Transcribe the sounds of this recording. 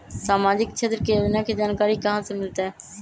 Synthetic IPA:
saːmaːd͡ʒɪkt͡ʃʰeːt̪ɾkeːnãːked͡ʒaːnkaːɾiːkəɦãːsẽmɪlt̪aɦɛː

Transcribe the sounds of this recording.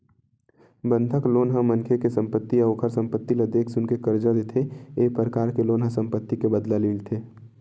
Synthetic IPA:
bə̃nd̪ʱəkloːnɦãmənkʰekesə̃mpət̪ːiəʋokʰəɾsə̃mpət̪ːiləd̪eːksʊnkekəɾd͡ʒad̪eːt̪ʰeeːpɾəkaːɾkeloːnɦãsə̃mpət̪ːikebəd̪laliːlt̪ʰeː

